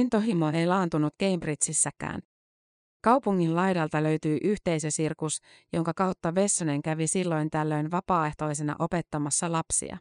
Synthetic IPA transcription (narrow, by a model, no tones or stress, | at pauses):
int̪oɦimoejlɑːnt̪unut̪ke̞imbrit̪sisːækæ̰ːn | kɑwpuŋːinlɑjdɑlt̪ɑlø̞ɥt̪yjʔyçt̪e̞jsø̞sirkusjo̞ŋkɑkɑwt̪ːɑʋe̞sːone̞ŋkæʋisilːo̞jnt̪ælːø̞jnʋɑpɑːe̞ht̪o̞is̬enɑ̰ʔo̞pe̞t̪ːɑmɑsːɑlɑpsḭɑ̰